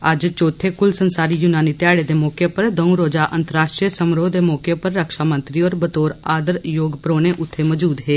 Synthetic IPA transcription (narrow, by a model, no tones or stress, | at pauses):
əd͡ʒt͡ʃoːt̪ʰeːkʊlsənsaːɾiːjʊnaːniːt̪jaːɽeːd̪eːmɔːkepəɾd̪əũɾoːd͡ʒaːʔə̃nt̪əɾaːʃʈɾijəsəmɾoːd̪emɔːkepəɾːəkʃaːmənt̪ɾiːɔːɾbət̪oːɾaːd̪əɾjoːɡpɾoːneʔʊt̪ʰːeməd͡ʒuːd̪ɦeː